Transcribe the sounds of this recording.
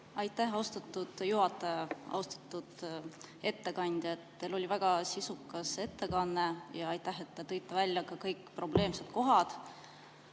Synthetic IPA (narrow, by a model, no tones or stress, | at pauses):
ɑjt̪ːˑæhɑwst̪ɑt̪ːˑud̪̥juɦɑt̪ːˑɑjɑɑ̰wst̪ɑ̥t̪ːˑud̪̥e̞t̪ːe̞kɑnʲd̪̥ʲjɑet̪ːe̞lo̞lʲivæɡ̥ɑsisukːˑɑse̞t̪ːe̞kɑnːejɑɑjt̪ːˑæɦet̪ːet̪ɤjt̪ːˑevælʲːjɑkɑkɤjkːˑpro̞ble̞ːmse̞t̪̚ko̞ɦɑd̪̥